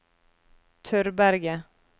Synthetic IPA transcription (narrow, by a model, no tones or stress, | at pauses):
t̪ʰœɾbæɾɡə